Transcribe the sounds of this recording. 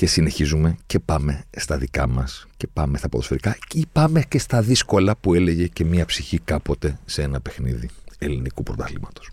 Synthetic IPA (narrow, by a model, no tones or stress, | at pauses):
ce̞sine̞çizume̞ce̞pɐme̞st̪ɐðikɐmɐsce̞pɐmest̪ɐpoðosfeɾikɐipɐme̞ce̞st̪ɐðisko̞lɐpue̞le̞ʝe̞ce̞miɐpsiçikɐpo̞t̪e̞see̞nɐpe̞xnḭðie̞linikupɾot̪ɐθlḭmɐt̪o̥s